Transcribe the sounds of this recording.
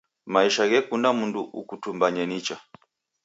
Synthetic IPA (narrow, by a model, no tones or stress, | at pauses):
maiʃaɣɛkundamunduʔukutumbaɲɛnit͡ʃa